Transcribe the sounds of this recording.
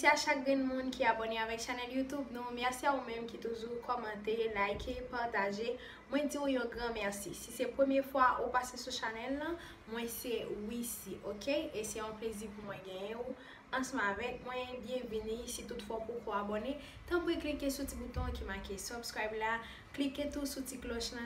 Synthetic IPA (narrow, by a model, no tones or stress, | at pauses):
seaʃak̚ɡɛ̃nmũnkʰiaboneavɛkʃanɛljut̪ubnũmɛʁsiaumɛ̃mkit̪uʒukʰɔmɑ̃t̪elajkʰepaʁt̪aʒe | mw̃ɛ̃d͡ziujɔ̃ɡʁãmɛʁsisisɛpʁəmjɛfwaʔupasesuʃanɛlːɐ̃ | mwɛ̃sɛwisiʔokʰeesɛɔ̃pleziʁpumwɛ̃ɡɛ̃jɛ̃u | ɐ̃sʌ̃m̃avɛk̚mwɛ̃bjɛ̃vinisit̪utfwapokoabone | t̪ãpuɛklikesutibut̪ɔ̃kimakesɔbskajbla | kliket̪usutiklɔʃnɐ̃